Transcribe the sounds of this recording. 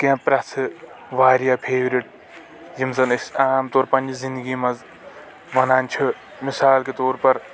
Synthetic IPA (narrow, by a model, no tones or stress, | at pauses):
kiɐ̃pɾɐsʰɨ | ʋaːɾijapʰeːʋɾiʈ̚ | zimzɐnsaːmt̪oːɾpɐ̃nʲd͡ʒzĩnd̪ɡimɐz | ʋɐnaːnʲt͡ʃʰu | mɪsaːlket̪oːɾpɐɾ